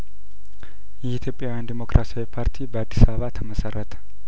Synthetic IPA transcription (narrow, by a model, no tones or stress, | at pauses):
jɛɪt̪jo̞ːpʼːɪjawand̪ɛmokɾʔaːsawɛpʰaːɾt̪ʰiːbəad̪ːɪsaːβaːt̪ʰɐmɐsɐɾɐt̪ʰɐ̥